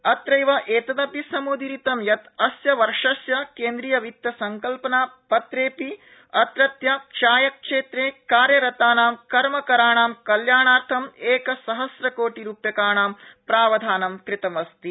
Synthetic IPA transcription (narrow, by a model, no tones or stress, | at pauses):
ɐt̪ɾɐjʋɐʔeːt̪ɐd̪ɐpisɐmuːd̪iɾit̪ɐmjɐt̪ɐsjɐʋɐɾʂɐsjɐkeːnd̪ɾijɐʋit̪jɐsɐŋkɐlpɐnaːpɐt̪ɾeːpi | ɐt̪ɾɐt̪jɐʃaːjɐkʂeːt̪ɾeːkaːɾjɐɾɐt̪aːnaːmkɐɾmɐkɐɾaːɳaːmkɐljaːɳaːɾt̪ʰɐmeːkɐsɐɦɐsɾɐkoːʈiɾuːpjɐkaːɳaːmpɾaːʋɐd̪ʱaːnɐmkɾɪt̪ɐmɐst̪i